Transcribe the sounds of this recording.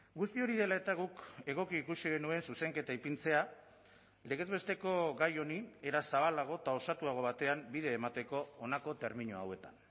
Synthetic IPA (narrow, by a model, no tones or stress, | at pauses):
ɡust̪io̞ɾið̞e̞lae̞t̪aɣ̞uke̞ɣ̞o̞kiːkusiɣe̞nue̞nsuse̞ŋke̞t̪aipint͡se̞a | le̞ɣ̞e̞zβe̞st̪e̞ko̞ɣajo̞nieɾasaβ̞alaɣ̞o̞t̪ao̞sat̪uaɣ̞o̞βat̪e̞ambiðe̞ːmat̪e̞ko̞ːnako̞t̪e̞ɾmiɲoa̰we̞t̪an